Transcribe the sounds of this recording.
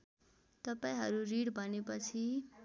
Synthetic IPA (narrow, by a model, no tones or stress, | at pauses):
t̪ʌpaĩɦʌɾuɾiɽbʱʌnepʌt͡sʰi